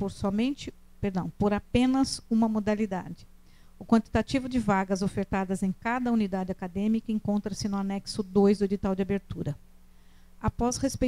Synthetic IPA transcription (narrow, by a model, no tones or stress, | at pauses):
poɾsɔmẽnt͡ʃɪ | peɾd̪ɐ̃w̃poɾapẽnɐzũmɐmod̪alid̪a̰d͡ʒɪ̥ | ʊkwɐ̃nt͡ʃ̪i̥t̪at͡ʃivʊd͡ʒɪvaɡɐzofeɾt̪ad̪ɐzẽj̃kad̪ɐunid̪ad͡ʒɪakad̪ẽmikɐẽŋkõnt̪ɾɐsɪnʊanɛksʊd̪ojzd̪ʊed͡ʒit̪awd͡ʒɪabeɾt̪uɾɐ | apɔshespe